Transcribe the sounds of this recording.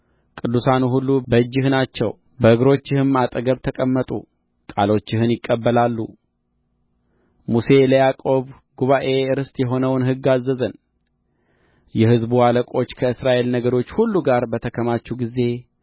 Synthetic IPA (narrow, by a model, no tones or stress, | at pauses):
kʼɨd̪ːusanuɦulːubəɨd͡ʒːɪhnat͡ʃːɛ̰w | bəʔɨɡɾo̞t͡ʃːɪhɨmat̪ʼəɡəβt̪ʰəkʼəmːət̪ʼṵ | kʼalo̞t͡ʃːɪhɨnjɪkʼːəbːəlalːṵ | muse̞ləjakʼo̞β | ɡuβaʔe̞ɨɾɨst̪ʼjɛɦo̞nəwnɦɨɡːazːəzən | jɛhɨzbualəkʼo̞t͡ʃːkʰəɨsɾaʔe̞lnəɡəɾo̞t͡ʃːhulːuɡaɾbət̪ʰəkʰəmat͡ʃːuɡize̞